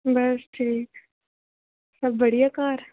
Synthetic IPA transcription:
bɐsʈʰiːk | sɐbːəɽ̤ijakaːɾ

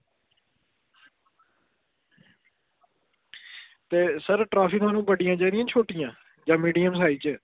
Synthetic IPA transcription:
t̪eːsəɾʈɾaːpʰɪkt̪ʰwaːnũːbəɖɪjãːd͡ʒaːd̪ɪijãːt͡ʃʰoːʈɪjãː | d͡ʒãːmiːɖiːəmsaːiːt͡ʃː

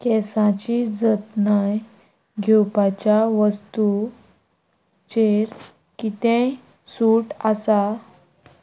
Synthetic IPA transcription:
kɛsãt͡ɕid͡zət̪naj | ɡʱewpat͡ɕjaʋəst̪u | t͡ɕeɾ | kit̪ẽj | suʈasa

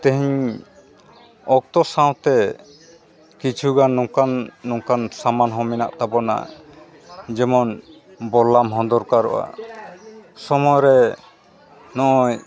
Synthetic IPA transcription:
t̪ɛɦiɲ | ɔk̚t̪ɔsãw̃t̪ɛ | kit͡ʃʰuɡanːɔkanːɔŋkansamanɦɔ̃mɛnaʔt̪abɔna̰ | d͡ʒɛmɔn | bɔlːamɦɔ̃nd̪ɔɾkaɾɔ̰ʔa̰ | sɔmɔjɾɛ | nɔʔɔj

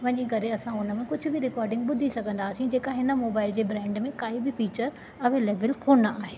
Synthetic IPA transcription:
ʋɐɲikɐɾeɐsãʊnə̆mẽkʊd͡ʑʱʊ̆bɪɾɪkaːɾɖɪ̃ŋɡɓʊd̪ʱisɐɡʱə̃nd̪aːsĩd͡ʑeːkaɦɪnə̆moːbaːɪld͡ʑeːbɾɛ̃ːɳɖmẽkaːibɪfiːt͡ɕəɾ | ɐʋeːleːʋɪlkʰoːnaːɦeː

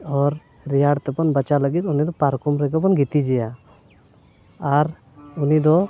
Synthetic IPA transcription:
ɔɾ | ɾijaɽt̪ɛpɔnbət͡ʃaləɡit̪unid̪ɔpaɾkumɾɛkp̬ɔnɡit̪id͡ʒɛja | ɾ | unid̪ɔ

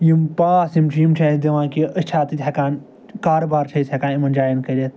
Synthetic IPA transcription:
jimpaːsimt͡ʃʰijimt͡ʃʰeːd̪iʋãːkiəsʲt͡ʃʰaːt̪it̪ʲɦʲɐkaːn | kaːɾobaːɾt͡ʃʰɐshɐkaːnimɐnd͡ʒaːjinkɐɾʲet̪

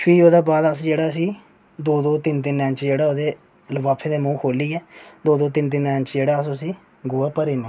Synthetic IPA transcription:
pʰiːoːd̪aːbaːd̪əsd͡ʒeːɽaːəsiː | d̪oːd̪oːt̪ɪnt̪̬ɪnːɛ̃ːnt͡ʃd͡ʒeːɽaːoːd̪eː | ləʋaːpʰẽːd̪eːmũːkʰoːliːɛːd̪oːd̪oːt̪ɪnt̪̬ɪnːɛ̃ːnt͡ʃd͡ʒeːɽaːəsʊsiː | ɡʊaːpəɾiːnãː

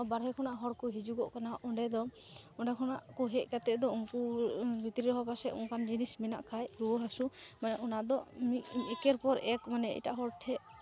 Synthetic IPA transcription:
baɾɦɛkʰɔnaʔɦɔɽkɔɦid͡ʒuɡɔʔkanaʔɔɳɖɛd̪ɔɔɳɖɛkʰɔnaʔkuɦɛʔkat̪ɛʔd̪ɔuŋkubit̪ɾiɾɔɦapasɛ̰ṵŋkand͡ʒinismɛna̰ʔkʰajɾuɔɦasumanɛʔɔnad̪ɔmiɛkɛɾpɔɾɛkmanɛḭʈaʔɦɔɽʈʰɛʔ

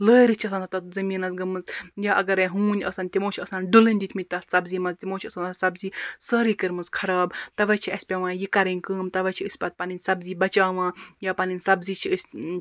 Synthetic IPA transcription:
ləːɾit͡ʃʰɐsɐːnt̪ʰɐt̪ɐt̪zɐmiːnɐzɡɐmɨzjaːʔɐɡɐɾɐɦuːnʲɐ̰sɐnʲt̪ʲimõːt͡ʃʰɐsɐnɖulɨnʲd̪it̪ʰmit̪̚ʲt̪ɐssɐbziːmɐzt̪imoːt͡ʃʰɐsɐnsɐbziːsəːɾikɨɾmɨzkʰɐɾaːbt̪ɐʋɐt͡ʃʰiɐsʲpʲɐʋãːjikɐɾinʲkɨːmt̪ɐʋɐt͡ʃʰiɨsʲpʲɐt̪̚paninʲsɐbziːbɐt͡ʃaːʋãːjaːpɐninsɐbzit͡ʃʰiəsʲ

